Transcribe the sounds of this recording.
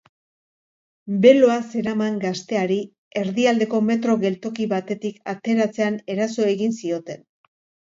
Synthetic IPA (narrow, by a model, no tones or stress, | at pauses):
be̞lo̞ase̞ɾamaŋɡast̪e̞aɾi | e̞ɾðiald̪e̞ko̞me̞t̪ɾo̞ɣe̞lt̪o̞kiβat̪e̞t̪ikat̪e̞ɾat͡se̞ane̞ɾaso̞e̞ɣinsio̞t̪e̞n